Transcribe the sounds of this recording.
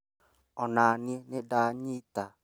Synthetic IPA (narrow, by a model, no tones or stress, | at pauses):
ɔnaːnienɪdaɲita